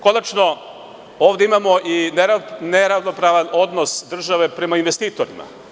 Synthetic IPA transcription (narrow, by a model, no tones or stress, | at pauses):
ko̞nat͡ʃno | oːvd̪e̞imamoʔineneɾaʋno̞pɾaːʋano̞d̪nosd̪r̩ʒaʋe̞pɾe̞mainʋe̞st̪iːt̪oɾḭma̰